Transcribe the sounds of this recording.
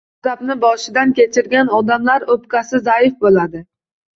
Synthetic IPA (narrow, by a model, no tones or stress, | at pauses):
z̥apnɪbɒʃɪd̪ankʲet͡ʃʰɪɾɡʲanɒd̪amlaɾɵpkʲasɪzaɪfbolad̪ɪ